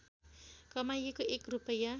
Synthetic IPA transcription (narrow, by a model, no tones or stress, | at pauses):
kʌmajekoekrupʌja